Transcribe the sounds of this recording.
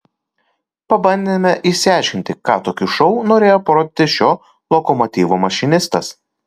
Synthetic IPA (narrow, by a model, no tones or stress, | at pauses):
pɐbɐnʲd̪ʲemʲɛʔisʲɪɑˑɪʃʲkʲɪnʲt̪ʲɪkɑːt̪oːkʲuʃɔʊnoːɾʲeːjopɾoːd̪ʲɪt̪ʲɪʃʲoː | lˠɔkɔmɔt̪ʲiːʋomɐʃʲɪnʲɪst̪ɐs